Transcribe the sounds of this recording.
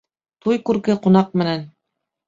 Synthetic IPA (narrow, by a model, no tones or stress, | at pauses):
t̪ujkʉɾkɘqŭnɑq̚mɘ̆næn